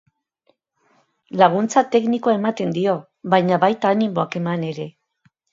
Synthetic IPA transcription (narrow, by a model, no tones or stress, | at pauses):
laɣ̞unt͡sat̪e̞knikoae̞mat̪e̞nd̪io̞ | βajɲaβajt̪aːnimo̞ake̞mane̞ɾe̞